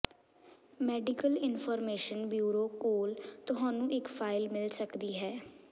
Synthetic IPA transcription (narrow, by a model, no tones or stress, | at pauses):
mɛːɖɪkəlɪnpʰɔːɾmeːʃənbjuːɾoːkoːlt̪ʊɦãːnũːʔɪkpʰaːɪlmɪlsəkd̪iːɦɛː